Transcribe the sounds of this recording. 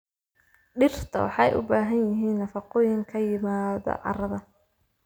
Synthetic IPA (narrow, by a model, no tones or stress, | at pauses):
ɖɪrt̪ʰɐ̰wɑ̰ħɑjʔʊ̰baːɦɐnjɪɦiːnːɐfɑqɔːjɪŋkʰɐjɪmaːðɔ̰ʕɑ̰rɐðɐ